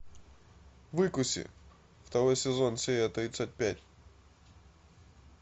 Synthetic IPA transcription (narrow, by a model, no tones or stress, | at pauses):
vɨkʊsʲɪ̰ | ft̪ɐɾo̞jsʲɪzo̞nsʲejʲɐt̪ɾʲit̪sːət̚ʲpʲætʲ